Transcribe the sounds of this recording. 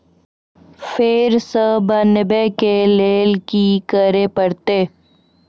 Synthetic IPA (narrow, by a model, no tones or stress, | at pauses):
feːɾsəbənɪbekeleːlkikəɾepəɾt̪eː